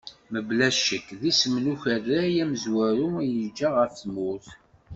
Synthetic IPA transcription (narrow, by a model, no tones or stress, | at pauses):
məblæʃəkːðisəmnuçæðæjæməzwæɾujəd͡ʒːaʁəɾθmʊθ